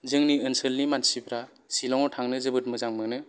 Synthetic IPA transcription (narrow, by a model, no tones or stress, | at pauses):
zɯŋniɯnsɯlnimansibɾa | silɔŋɔtʰaŋnɯzɯbɯt̚mɯzaŋmɯnɯ